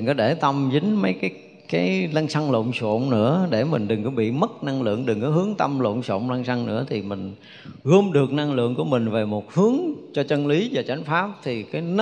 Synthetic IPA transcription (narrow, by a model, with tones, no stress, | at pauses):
kɔ˨˦ɗe˧˩t̪ə˧mzï˨˦ŋ̟mə˨˦jkaː˨˦j | kaː˨˦jla˧ŋsa˧ŋlo̰˧˨ŋ͡mso̰˧˨ŋ͡mnɨ̰˧˥əɗe˧˩mï˨˩ŋ̟ɗɨ˨˩ŋkɔ˨˦ɓḭ˧˨mə˦˥t̚na˧ŋlɨ̰˧˨əŋɗɨ˨˩ŋkɔ˨˦ɦɨ˨˦əŋt̪ə˧mlo̰˧˨ŋ͡mso̰˧˨wŋ͡mla˧ŋsa˧ŋnɨ̰˧˥ət̪ʰi˨˩mï˨˩ŋ̟ | ɣo˧mɗɨ˨˩ək̚na˧ŋlɨ̰˧˨əŋku˧˩əmï˨˩ŋ̟ve˨˩mo˨˩t̚hɨ˨˦əŋt͡ɕɔ˧t͡ɕə˧nli˨˦vaː˨˩t͡ɕa˨˦jŋ̟faː˦˥p̚t̪ʰi˨˩kaː˨˦jn˦